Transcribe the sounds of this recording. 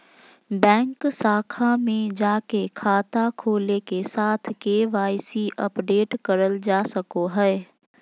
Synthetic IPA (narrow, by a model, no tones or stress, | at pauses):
bɛ̃ːŋksaːkʰamẽd͡ʒaːkekʰaːt̪akʰoːlekesaːt̪ʰkeːʋaːɪsiʔəpɖeːʈkəɾəld͡ʒaːsəkoɦɛː